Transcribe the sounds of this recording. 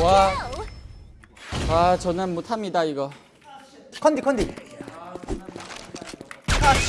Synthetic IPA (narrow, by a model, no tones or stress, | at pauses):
wa | at͡ɕʌnɯnmotʰamɲidaiɡʌ | kʰʌnd̪ikʰʌnd̪i